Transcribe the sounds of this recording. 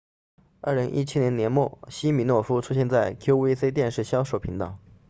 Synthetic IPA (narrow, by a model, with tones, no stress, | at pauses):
ə̰˞˥˩li˧˥ŋʔḭ˥t͡ɕʰi˥njɛ˧˥njɛ˧˥nmwɔ˥˩ɕi˥mi˧˥nwɔ˥˩fu˥ʈ͡ʂʰu˥ɕjɛ˥˧nt͡sa˥˩ɪkʰjo˥ʊwe˥ɪse˥ɪt̪̬jɛ˥˧nʂɻ̩˥˩ɕjɑ˥ʊʂo˥˩ʊpʰi˧˥ŋt̪ɑ˨˩˦